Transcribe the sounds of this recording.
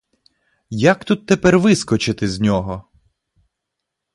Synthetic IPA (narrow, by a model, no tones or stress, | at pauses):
jakt̪ut̪ːepɛrʋɪskɔt͡ʃɪt̪ɪzʲnʲɔɦɔ